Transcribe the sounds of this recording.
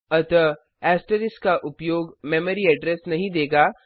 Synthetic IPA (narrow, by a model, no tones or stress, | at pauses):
ɐt̪ə | ɛːsʈəɾɪskaʔʊpjoːɡmeːməɾiɐɖɾɛsnɐɦĩd̪eːɡaː